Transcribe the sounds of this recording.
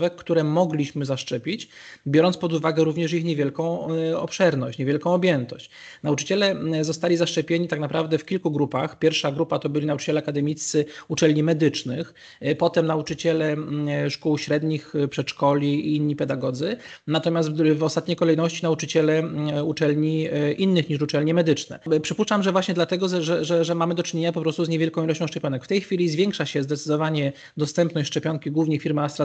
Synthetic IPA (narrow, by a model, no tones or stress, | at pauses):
vɛkkt̪uɾɛmɔɡlʲiɕmɘzaʂt͡ʂɛpʲit͡ɕ | bʲjɔɾɔnt̪spɔd̪uvaɡɛɾuvɲɛʂixɲevjɛlkɔ̃w̃ɔ̰pʂɛɾnɔɕt͡ɕɲevʲjɛlkɔ̃w̃ɔbʲjɛnt̪ɔɕt͡ɕ | naut͡ʂɘ̥t͡ɕɛlɛzɔst̪alʲizaʂt͡ʂɛpʲjeɲit̪aknapɾavd̪ɛfkʲilkuɡɾupaxpʲjɛɾfʂaɡɾupat̪ɔbɘlʲinaut͡ʂɘ̥t͡ɕɛlɛakad̪ɛmʲit̪sɘut͡ʂɛlʲɲimɛd̪ɘt͡ʂnɘx | pɔt̪ɛmnaut͡ʂɘt͡ɕɛlɛʂkuwɕɾɛd̪ɲixpʂɛt̪ʂkɔlʲiiinːipɛd̪aɡɔd̪zɘnat̪ɔmʲjast̪vɔst̪at̪ɲejkɔlɛjnɔɕt͡ɕinaut͡ʂɘt͡ɕɛlɛut͡ʂɛlɲiʔinːɘxɲiʂut͡ʂɛlɲɛmɛd̪ɘt͡ʂnɛ̰pʂɘpuʂt͡ʂamʐɛvwaɕɲɛd̪lat̪ɛɡɔʐɛʐɛʐɛʐɛmamɘd̪ɔt͡ʂɘɲeɲapɔpɾɔst̪uzɲevʲjɛlkɔ̃w̃ilɔɕt͡ɕɔ̃w̃ʂt͡ʂɛpʲjɔnɛkft̪ɛjxfʲilʲizvʲjɛŋkʂaɕɛzd̪ɛt̪sɘ̥d̪ɔvaɲɛ | d̪ɔst̪ɛmpnɔɕt͡ɕʂt͡ʂɛpʲjɔŋkʲiɡwuvɲefʲiɾmast̪ɾa